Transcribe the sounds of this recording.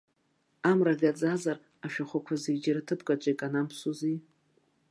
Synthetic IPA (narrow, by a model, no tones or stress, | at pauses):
amraɡʲad͡zazar | aʃᶣaχʷakʷʰazid͡ʒaɾatʰɨpʰɡʼat͡ʃʷʼajkʼanampʰsuzi